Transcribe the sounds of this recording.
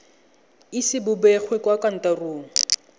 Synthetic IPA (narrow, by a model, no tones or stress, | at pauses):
isɪbʊbɛχwekwakan̩taruːŋ̩